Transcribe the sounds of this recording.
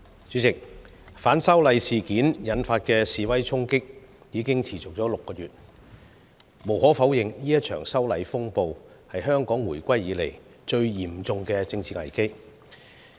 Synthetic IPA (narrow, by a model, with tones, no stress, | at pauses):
t͡ʃyː˨˥t͡sɪ˨k̚ | faː˨˥nsɐ˥wlɐ˨˧jsiː˨kiː˨˥njɐ˨˥nfaː˧t̚kɛː˧siː˨˧wɐ˥jt͡sʰʊ˥ŋkɪ˥k̚ | jiː˨˧kɪ˥ŋt͡sʰiː˨˩t͡sʊ˨k̚t͡ʃɔː˨˥lʊ˨kːɔː˧jyː˨t̚ | mo˨˩whɔː˨˥fɐ˨˥wjɪ˨ŋjiː˥jɐ˥t̚t͡ʃʰœ̰ː˨˩ŋsɐ˥wlɐ˨˧jfʊ˥ŋpo˧w | hɐ˨jɦœː˥ŋkɔː˨˥ŋwuː˨˩jkʷɐ˥jiː˨˥le˨˩j | t͡ʃɵ˧ɥjiː˨˩mt͡sʊ˨ŋkɛː˧t͡sɪ˧ŋt͡sʰiː˧ŋɐ̰˨˩jke˥j